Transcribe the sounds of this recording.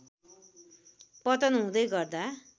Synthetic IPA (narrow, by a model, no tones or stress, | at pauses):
pʌt̪ʌnɦũd̪ʌjɡʌrd̪a